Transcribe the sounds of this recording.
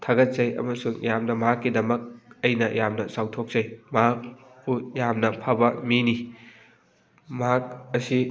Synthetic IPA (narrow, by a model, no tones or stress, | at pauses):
tʰɐɡɐt̚zɐjɐ̰mɐsuŋjamnɐmɐɦakːidɐmɐk̚ɐjnɐjamnɐsawtʰok̚zɐjmɐɦak̚ | pujamnɐpʰɐbɐmini | mɐɦak̚ɐsi